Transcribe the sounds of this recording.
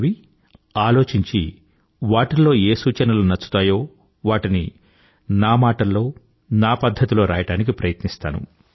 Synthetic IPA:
ʋi | aːlo̞ːt͡ʃiɲt͡ʃi | ʋaːʈilːo̞ːe̞ːsuːt͡ʃɐnɐlunɐt͡ʃːu̥t̪aːjo̞ː | ʋaːʈini | naːmaːʈɐlːo̞ː | naːpɐd̪ʱːɐt̪ilo̞ːɾaːjɐʈaːnik̬ipɾɐjɐt̪nist̪aːnṵ

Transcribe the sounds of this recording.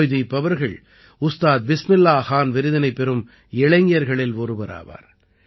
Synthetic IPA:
jðipɐʋɐɾɣɐɭ | ʊst̪aːt̪̚bɪsmɪlːaːxaːnʋɪɾɯðɐnɐɪpːɛɾɯm | ɛɭɐŋɡɪjɐɾɣɐɭɪlɔɾɯbɐɾa̰ːʋa̰ːɾ

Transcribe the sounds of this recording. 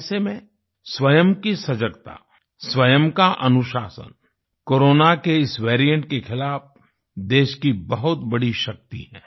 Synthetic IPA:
semẽ | swɐjəmkisɐd͡ʒəɡt̪a̰ | swɐjəmkaʔɐnʊʃaːsə̰n | koːɾoːnakeɪsʋeːɾijə̃ɳʈkexɪlaːf | d̪eːʃkibɐɦʊt̪bɐɽiʃɐk̚t̪ḭɦɛ̃ː

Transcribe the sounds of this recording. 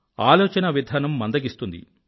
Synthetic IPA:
aːlɔːt͡ʃɐnɐʋid̪ʱaːnɐmːɐnd̪ɐɡist̪und̪ḭ

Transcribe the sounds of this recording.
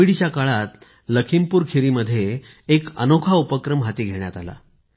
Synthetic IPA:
iɽit͡ɕjakaɭat̪ | ləkʰimpuːɾkʰiɾiməd̪ʱːjeː | kə̰nokʰaupəkɾəmɦat̪iːɡʱeɳjat̪ala̰

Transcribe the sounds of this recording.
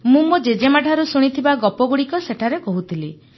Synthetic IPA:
mũmud͡ʒed͡ʒemaʈʰaɾusuɽ̃it̪ʰibaɡɔpɔɡuɽikɔseʈʰaɾekɔɦut̪ʰili

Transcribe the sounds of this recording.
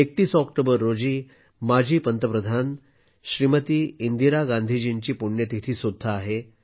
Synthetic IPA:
ek̚t̪iːsɔkʈobəɾːod͡ʑiː | mad͡ʑʱiːpənt̪əpɾəd̪ʱan | ɕɾimət̪iːind̪iɾaɡãnd̪ʱid͡ʑint͡ɕiːpuɳjət̪it̪ʰiːsud̪ʱːaːɦe

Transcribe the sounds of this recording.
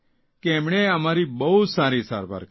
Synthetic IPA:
kɛːmɳ̃eəmaːɾibəut̪saːɾisa̰ːɾba̰ːɾ

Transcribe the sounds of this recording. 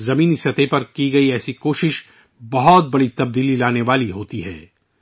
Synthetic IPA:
zɐmiːnisɐt̪epɐɾkiɡɐiɛːsikoːʃɪʃ | bɐɦɔt̪̚bɐɽit̪ɐb̚d̪iːlilaːneʋaːliɦoːt̪iɦɛ̰ː

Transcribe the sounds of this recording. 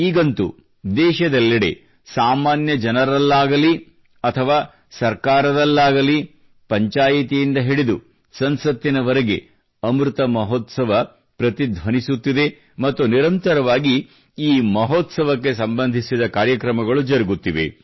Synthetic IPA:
iːɡɐnt̪ṵ | d̪ɛːʃɐd̪ɛlːɐɽḛ | saːmaːnjɐd͡ʒɐnɐɾɐlːaːɡɐli | ɐt̪ʰɐʋaː | sɐɾkaːɾɐd̪ɐlːaːɡɐli | pɐɲt͡ʃaːjit̪ijind̪ɐɦiɽed̪u | sɐnsɐt̪ːinɐʋɐɾeɡe̞̰ | ɐmɾut̪ɐmɐɦɔt̪sɐʋɐ | pɾɐt̪id̪ʱʋɐnisut̪ːid̪e̞ | mɐt̪ːuniɾɐnt̪ɐɾɐʋaːɡi | iːmɐɦɔt̪sɐʋɐk̬ːe̞sɐmbɐnd̪ʱisid̪ɐkaːɾjɐkɾɐmɐɡɐɭud͡ʒɐɾiɡut̪ːiʋe̞̰

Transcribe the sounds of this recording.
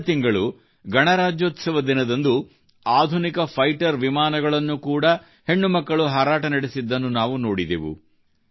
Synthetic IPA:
t̪iŋɡɐɭu | ɡɐɳɐɾaːd͡ʒjoːt̪sɐʋɐd̪inɐd̪ɐnd̪u | aːd̪ʱunikɐpʰɐjʈɐɾʋimaːnɐɡɐɭɐnːukuːɽɐ | he̞ɳːumɐkːɐɭuɦaːɾaːʈɐnɐɽesid̪ːɐnːunaːʋuno̞ːɽid̪ḛʋṵ

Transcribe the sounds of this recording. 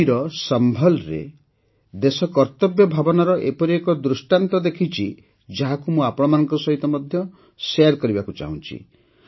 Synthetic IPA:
iɾɔsɔmbʱɔlɾḛ | d̪esɔkɔɾt̪ɔbjɔbʱabɔnɔɾɔʔepɔɾiekɔd̪ɾusʈant̪ɔd̪ekʰit͡ʃʰi | d͡ʒaɦakumũapɔɽ̃ɔmanɔŋkɔsɔɦit̪ɔmɔd̪ʱjɔ | seaɾkɔɾibakut͡ʃa̰ɦṵ̃t͡ʃʰḭ

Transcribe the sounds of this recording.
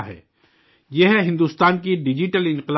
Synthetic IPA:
ɦɛ̰ː | jeɦɦɪ̃nd̪uːst̪aːnkiɖɪd͡ʒɪʈəlɪ̃nqɪl

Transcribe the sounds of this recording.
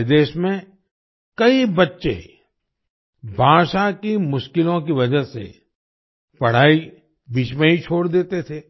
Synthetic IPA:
d̪eːʃmẽ | kɐibɐtːʃḛ | bʱaːʃakimʊʃkɪlõk̬iʋɐd͡ʒəsḛ | pɐɽ̤aːi | biːt͡ʃmẽɦit͡ʃʰoːɽd̪eːt̪et̪ʰeː

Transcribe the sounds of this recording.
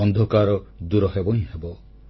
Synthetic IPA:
ɔnd̪ʱɔkaɾɔd̪uɾɔɦebɔɦĩɦebɔ

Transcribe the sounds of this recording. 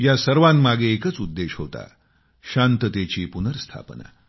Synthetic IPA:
jasəɾʋãnmaɡeːkət͡sud̪ːeɕɦo̰t̪a̰ | ɕant̪ət̪at͡ɕiːpunəɾst̪ʰa̰pna̰

